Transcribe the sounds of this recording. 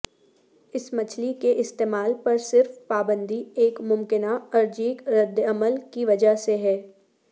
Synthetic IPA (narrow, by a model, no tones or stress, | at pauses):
ɪsmɐt͡ʃʰlikeʔɪst̪eːmaːlpɐɾsɪɾfpaːbə̃nd̪ʱieːkmʊmkɪnaɐɾd͡ʒiːkɾɐd̪ɐməlkiʋɐd͡ʒəseɦɛː